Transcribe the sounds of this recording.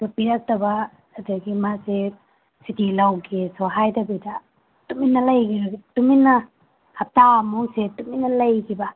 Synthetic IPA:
sɔpiɾak̚tabaː | dɯɡimase | sitilawɡʰesɔɦajdabida | tuminːɐlajkʰibatuminːa | hap̚tamusetuminːɐlajkʰiba

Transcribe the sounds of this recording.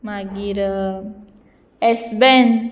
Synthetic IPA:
maɡiɾ | ɛsbɛn

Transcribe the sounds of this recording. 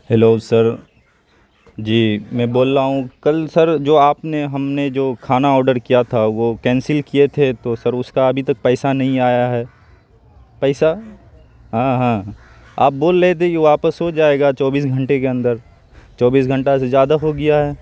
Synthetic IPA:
hɛloːsɐɾ | d͡ʒiːmɛ̃ːboːlːaːɦũkɐlsɐɾd͡ʒoːaːpneɦɐmned͡ʒoːkʰaːnaɔːɾɖəɾkijat̪ʰaʋokɛ̃ːnsɪlkiet̪ʰet̪osɐɾʊskaɐbʱit̪ɐk̚pɛːsanɐɦĩaːjaɦɛː | pɛːsa | ɦãːɦãː | a̰ːp̚boːlːet̪ʰekiʋaːpəsɦod͡ʒaːeːɡat͡ʃɔːbiːs̬ɡʱɐ̃ɳʈekeɐ̃nd̪əɾ | t͡ʃɔːbiːs̬ɡʱɐ̃ɳʈasezjaːd̪aɦoɡɐjaɦɛː

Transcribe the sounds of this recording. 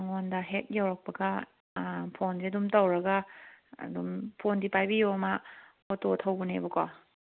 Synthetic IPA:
ŋɔndɐɦet̚jawɾɐk̚pɐɡɐ | pʰondeɐdumtowɾɐɡa̰ | dumpʰondipajbijoma | ototʰawbunḛbɐkɔ

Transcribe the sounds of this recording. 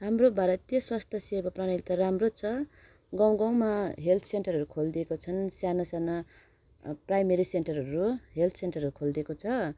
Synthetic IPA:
ɦamrobaɾʌt̪jʌswast̪ʰʌsebaprʌɽ̃ʌɡit̪ʌɾamrot͡sʰʌ | ɡʌw̃ɡʌw̃maɦelt̪ʰsenʈʌrɦʌɾukʰold̪iekot͡sʰʌnsjanasjana | prajmeɾisenʈʌrʌɾuɦelt̪ʰsenʈʌrɦʌɾukʰold̪iekot͡sʰʌ

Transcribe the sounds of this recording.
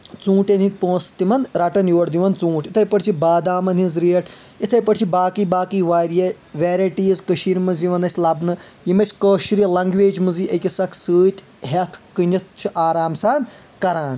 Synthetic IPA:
t͡sũːʈʲenit̪̚ʲpõːst̪imɐnɾɐʈɐnjoːɽd̪iʋɐnt͡sũːʈit̪ʰɐjpɐʈʰt͡ʃʰibaːd̪aːmɐnʲinzɾiːɐʈʰ | it̪ʰɐjpɐʈʲt͡ʃʰibaːkiːbaːkiːʋaːɾjɐ | ʋeːɾɐʈiːzkəʃiːɾmɐziʋɐnɐsʲlɐbnɨjimɐt͡ʃʲkəːʃɾilɐŋɡʋeːd͡ʒmɨziʔɐkʲisɐkʰsɨːt̪ʲ | ɦɐt̪ʰkɨnʲɐt̪̚ʰt͡ʃʰuʔaːɾaːmsaːn | kɐɾaːn

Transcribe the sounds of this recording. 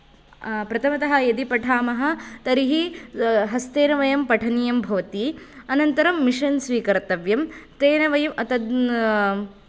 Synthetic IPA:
pɾɐt̪ʰɐmɐt̪ɐɦɐjɐd̪ipɐʈʰaːmɐɦɐ̆t̪ɐɾiɦiɦɐst̪eːnɐʋɐjɐmpɐʈʰɐnijɐmbʱɐʋɐt̪iɐnɐnt̪ɐɾɐmːiʂɐnsʋiːkɐɾt̪ɐʋjɐmt̪eːnɐʋɐjɐmɐt̪ɐd̪

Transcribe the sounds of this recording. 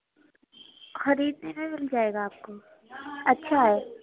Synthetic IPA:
xɐɾiːd̪nemẽmɪld͡ʒaːeːɡaːp̚ko | ɐtːʃʰaɦɛː

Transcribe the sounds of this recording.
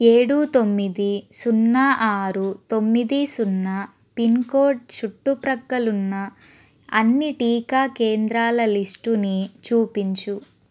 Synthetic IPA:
eːɽuːt̪o̞mːid̪isunːaʔaːɾut̪omːid̪isunːɐ | pinkoːɖ̚t͡ʃuʈːupɾɐɡːɐlunːɐ | ɐnːiʈiːkaːke̞ːnd̪ɾaːlɐlisʈunit͡ʃuːpiɲt͡ʃu

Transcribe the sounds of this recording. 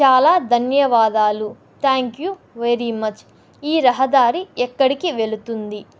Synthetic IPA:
t͡ʃaːlaːd̪ʱɐnjɐʋaːd̪aːlu | t̪ʰaːŋkju | ʋeɾimɐt͡ʃ | iːɾɐɦɐd̪aːɾiɛkːɐɽikiʋe̞lut̪und̪i

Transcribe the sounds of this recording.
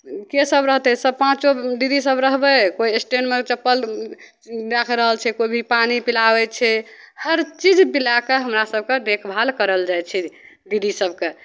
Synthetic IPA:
kesəbɾəɦt̪ɛsəb̚pãt͡ʃod̪id̪isəbɾəɦbəkoiesʈenmet͡ʃəpːəl | d̪akʰɾəɦəlt͡ʃʰɛkoibʱipanipilabɛt͡ʃʰɛ | həɾt͡ʃid͡ʒbilakeɦəmɾasəb̚ʱked̪ekʰbʱalkəɾəld͡ʒajt͡ʃʰɛ | d̪id̪isəbʱke

